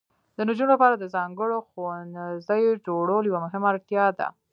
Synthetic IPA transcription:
d̪̥ənʊd͡ʒunolapɑɾad̪əzɑŋɡəɽoxanzd̪əjd͡ʒoɽoljawamʊɦɪmaɾt̪jɑd̪a̰

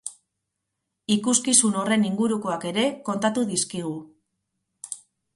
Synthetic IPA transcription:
ikuskisuno̞re̞niŋɡuɾuko̞ake̞ɾe̞ko̞nt̪at̪uðiskiɣ̞u

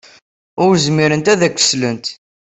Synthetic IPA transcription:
ʊɾzmiɾənt̪æðækʷːə̥slənt̪

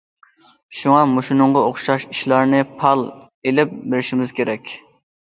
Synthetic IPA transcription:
ʃuŋɑmoʃinʊŋʁɑoχʃɑʃi̥ʃlˠɑɾnɨpʰɑlˠ | elɪp̚beɾɪʃimɪz̥kʲʰeɾɛkʲ

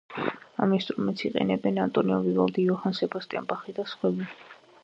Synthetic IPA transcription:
a̰mist̪ʼuɾmɛt̪sʰiqʼɛ̰nɛbɛnant̪ʼɔniɔvivalˠd̪iɔhansɛbɔst̪ʼɛ̰mbaχid̪asχwɛbi

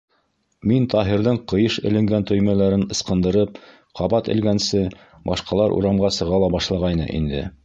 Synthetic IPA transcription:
mint̪ɑɦiɾðɤɴqɤ̆jɤʃɘ̆lɘ̆ŋɡænt̪ɵ̆jmælæɾɘnɤ̆sqɤ̆nd̪ɤ̆ɾɤp̚ | qʰɑβɑt̪ɘ̰̆lɡænsɘ | bɑʃqɑlˠɑɾʔṵɾɑmʁɑsɤ̆ʁɑlˠɑbɑʃlˠɑʁɑjnɤ̰ʔḭnd̪ɘ̰

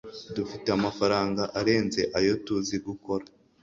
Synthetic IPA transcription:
dufite̞amafaɾaːŋɡaʔaɾe̞ːnze̞ʔajo̞tuziɡuko̞ɾa

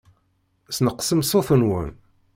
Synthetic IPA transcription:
snəqːsəmsˤoθənwə̰n

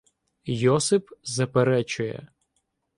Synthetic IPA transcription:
jɔsɪpzɐpeɾɛt͡ʃʊjɛ̰

